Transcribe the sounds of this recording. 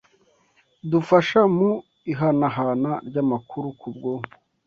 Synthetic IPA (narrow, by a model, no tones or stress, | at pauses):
dufaʃamu | iɦanaɦanaɾɟamakʰuɾukub̚ɡo